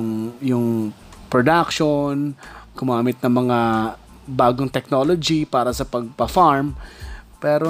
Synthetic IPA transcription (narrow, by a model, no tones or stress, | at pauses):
ŋjʊŋ | pɾod̪ak̚ʃonɡʊmaːmɪt̪̚nɐŋmɐŋa | baːɡoŋt̪ɛk̚noːlod͡ʒipaːɾɐsɐpɐɡ̚pɐfaɹmpɛːɾo